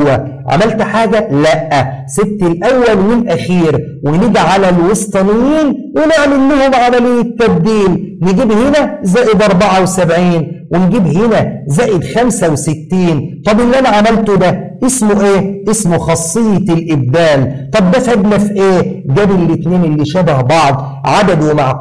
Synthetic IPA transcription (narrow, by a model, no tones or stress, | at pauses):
æʕa̰mælt̪ħaːɡælæʔːæset̪ːelʔæwːælwelʔæxiːɾ | weneɡiʕalælwesˤt̪ˤɑnɪjːiːnweneʕmelːehomʕamælejːet̪ːæb̚d̪iːlneɡiːbhenæzæːjed̪ʔɑɾˤbaʕawesæbʕiːnwenɡiːbhɪnæzæːʔed̪xæmsæwsɪt̪ːiːnt̪ˤɑbʔɪlːiʔænæʕamælt̪od̪æʔesmoʔeːʔesmoxɑsˤːɨjːɑlʔɪb̚d̪æːlt̪ˤɑb̚dæfhæɡ̪læfʔeːɡæːbelːɪt̪neːnelːiʃæbæhbɑʕd̪ˤ | ʕad̪æd̪wemaʕ